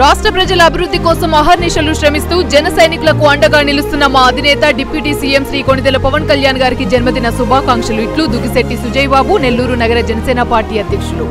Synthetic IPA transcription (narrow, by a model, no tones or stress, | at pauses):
ɾaːʂʈɾɐpɾɐd͡ʒɐlɐːbʱiɾud̪ːikɔːsɐmɐɦɐɾniʂɐluʃɾɐmist̪uːd͡ʒɛnɐsɐjnikulɐkuɐɳɖɐɡaːnilust̪unːɐmaːɐd̪ʱinɛːt̪ɐɖipjuːʈisiːemsɾiːkoɳid̪ɐlɐpɐʋɐnkɐljaːnɡaːɾikid͡ʒɐnmɐd̪inɐsubʱaːkaːŋkʂɐluiʈlud̪uɡiseʈːisud͡ʒɐjbaːbune̞lːuːɾunɐɡɐɾɐd͡ʒɛnɐsɛːnɐpaːɾʈiːɐd̪ʱjɐkʂɐlu